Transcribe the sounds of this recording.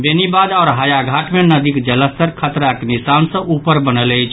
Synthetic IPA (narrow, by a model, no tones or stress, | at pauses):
benibad̪ɔɾɦajaɡʱaʈmenəd̪ikd͡ʒələst̪əɾkʰət̪ɾaknisansə̃ʔupəɾbənələjt͡ʃʰ